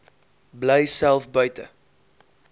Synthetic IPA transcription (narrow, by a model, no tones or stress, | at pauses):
bləjsælˠfbœɥtə